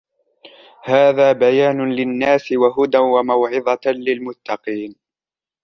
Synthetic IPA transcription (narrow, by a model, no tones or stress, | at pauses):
haːðaːbajaːnʊlɪnːaːsɪwaɦʊd̪anwamawʕɪðˤɑlɪlmʊt̪ːɑqiːn